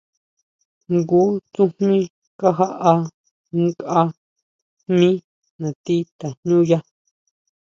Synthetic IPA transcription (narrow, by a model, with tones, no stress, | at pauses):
ŋɡu˦t͡sũ˦hmĩ˦ | ka˦ɦa˦ʔa˧ | ŋ˦ka˦ | mĩ˦ | nã˨t̪i˦t̪a˨ɲɲũ˦ja˦